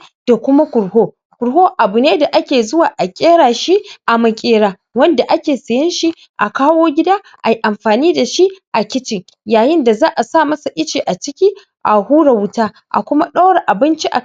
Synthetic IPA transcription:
d̥a˨kʷʊ˦ma˦kʷʊ˨ɽhoː˦ | kʷʊ˨ɾɦoː˦ʔa˨bʊ˨neː˦da˨ʔa˦kʲeː˨zʊ˦waː˨ʔa˨kʲʼeː˦ɽaː˨ʃi˦ʔa˨mɐ˨kʲʼeː˦ɽaː˨ | wɐ˦nda˨ʔa˦kʲeː˨sɐ˨jɪ˦nʃi˦ | ʔa˨kaː˦woː˦ɡʲɪ˦daː˦ | ʔa˨i˦ʔa˨mɸaː˨niː˦da˨ʃi˦ʔa˨kʲɪ˦t͡ʃɪ˨ŋ | jaː˨jɪ˦nda˨zaː˦ʔa˨sa˦˨mɐ˦sa˨ʔɪ˦t͡ʃiː˨ʔa˨t͡ʃɪ˦kʲiː˦ | ʔa˨huː˦ɽa˨wʊ˦taː˦ | ʔa̰˨kʷʊ˦ma˦ɗɐ˦wɽe˨ʔa˨bɪ˦nt͡ʃi˦ʔa̰˨

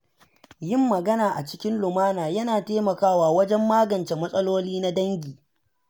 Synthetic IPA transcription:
jɪ˦mːɐ˨ɡɐ˦naː˨ʔa̰˨t͡ʃɪ̥˦kʲɪ˦nlʊ˨maː˦naː˨jɐ˦naː˨teː˦mɐ˨kaː˦waː˨wɐ˦d͡ʒɛ˦mːaː˦ɡɐ˨nt͡ʃe˨mɐ˦sʼɐ˦loː˦liː˦na˦dɐ˦ŋɡʲiː˨

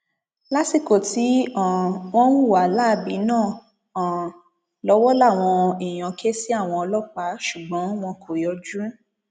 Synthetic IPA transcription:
la˦ti˨ko˨ti˨˦ã˨w̃ɔ̃˦wũ˦˨wa˨˦la˦˧˨bi˨˦nãː˦˨ | lɔ˨˦wɔ˦la˦˨w̃ɔ̃˧i˨j̃ã˨kʰe˦si˦a˦˨w̃ɔ̃˧ɔ˧lɔ˦k͡pa˨˦ʃu˨ɡ͡bɔ̃˨˦w̃ɔ̃˧kʰo˨jɔ˧d͡ʒũ˦

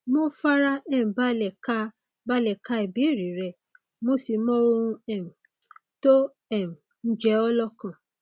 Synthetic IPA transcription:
mo˦fa˦ɾa˦ɛ̃˦˨ba˦lɛ˨ka˦ | ba˦lɛ˨ka˧i˨bi˨˦˨ɾi˨˦ɾɛ˧˨ | mo˧si˧mɔ̃˦o˧ɾũ˧ɛ˦˨ũ˨ | to˦ | ɛ˦˨ũ˨ | n̩˦d͡ʒɛ˦ɔ˦lɔ˦kã˨

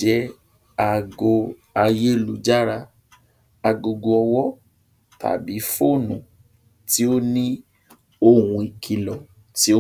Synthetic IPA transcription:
ɛ˨˦ | a˨˧ɡo˧ | a˧je˦lu˨˧d͡ʒa˦ɾa˧ | a˨˧ɡo˧ɡo˧ɔ˧wɔ˦ | tʰa̰˨bi˨˦fo˦˨nũ˨ | ti˨˦o˦nĩ˦ | o˧˨wũ˧i˨kʰi˧lɔ˨ | ti˦o˦

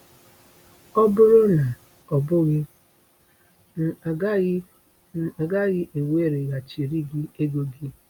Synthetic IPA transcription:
ɔ˦bʊ˦ɾʊ˦na˨ | ɔ˨bʊ˦ɣɪ˦˨˦ | ɡa˦ɣɪ˦ʔe˨we˦˨ɾe˨ɣa˨t͡ʃi˨ɾi˦ɡi˦e˦ɡo˦ɡɪ˦

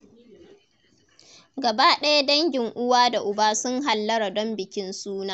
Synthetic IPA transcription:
ɡɐ˨baː˦ɗɐ˦ja˦dɐ˦ŋɡʲɪ˨ŋʔʊ˦waː˦da˨ʔʊ˨baː˦sʊ˦ŋɦa˨lːɐ˦ɾa˨dɔ˦mbɪ˨kʲɪ˦nsuː˦naː˦

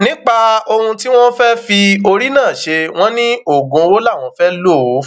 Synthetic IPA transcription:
nĩ˦k͡pa˦˧o˧ũ˧ti˦w̃ɔ̃˦fɛ˦fi˧o˧ɾi˦nãː˦˨ʃe˧w̃ɔ̃˦nĩ˦o˦˨ɡõ˨˧wo˦la˦˨w̃ɔ̃˨˦fɛ˦lo˦˨˦

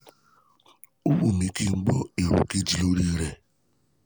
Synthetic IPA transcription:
u˦wu˦˨mi˨ki˦ŋ͡m̩˦ɡ͡bɔ˦e˨ɾṵ˨ke˦d͡ʒi˨lo˦ɾi˦ɾe˦

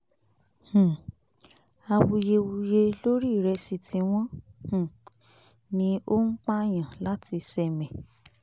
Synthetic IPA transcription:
h̩˨ | a˧wu˧je˧wu˧je˧lo˦ɾi˦˨ɾɛ˧si˧tĩ˧w̃ɔ̃˦h̩˨ | nĩ˧˦o˦ŋ̩˦k͡pa˦˨j̃ã˨la˦ti˧sɛ˧mɛ̃˨

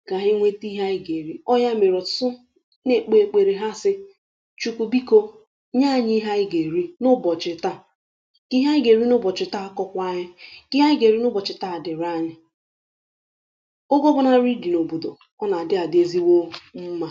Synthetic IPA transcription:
ɡa˨ɦɪ˦ŋʷe˦ti˦ɦa˦ɪ˦ɡe˨ɾi˦ɔ˦ja˦me˨ɾɔ˨sʊ˦ | ne˨k͡pe˨e˨k͡pe˨ɾe˨ɦa˦sɪ˦ | t͡ʃu˨ku˨bi˦ko˦ | ɲa˦˨ɲɪ˦ɦa˦ɪ˦ɡe˨ɾi˦nʊ˦bɔ˨t͡ʃɪ˨ta˦ | ki˦ɦa˦ɪ˦ɡe˨ɾi˦nʊ˦bɔ˨t͡ʃɪ˨˦ta˦a˦kɔ˦kʷa˦ɲɪ˦ki˦ɦa˦ɪ˦ɡe˨ɾi˦nʊ˦bɔ˨t͡ʃɪ˨ta˦a˨dɪ˨ɾa˦ɲɪ˦ | o˦ɡo˦bʊ˦na˦ɾi˦di˨no˨bo˨do˨ | ɔ˦na˨dɪ˦a˨dɪ˦e˦zi˦wo˦˨m̩˦ma˦

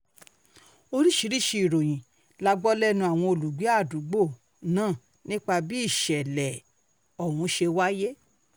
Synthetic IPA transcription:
o˧ɾi˦ʃi˨˦ɾi˦˨ʃi˧i˨ɾo˨j̃ĩ˨ | la˧ɡ͡bɔ˦lɛ˦nũ˧˦a˨w̃ɔ̃˧o˧lu˨ɡ͡bi˨˦a˦˨du˨˦ɡ͡bo˦˨ | nãː˦˨ | nĩ˦k͡pa˧bi˦i˦˨ʃɛ˨lɛ˨ | ɔ˨wũ˨˦ʃe˧wa˦je˦

